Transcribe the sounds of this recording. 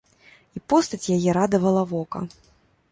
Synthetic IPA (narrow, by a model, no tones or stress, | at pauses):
ipɔst̪ɐt͡sʲjajɛɾad̪ɐvɐlˠɐvɔkɐ̰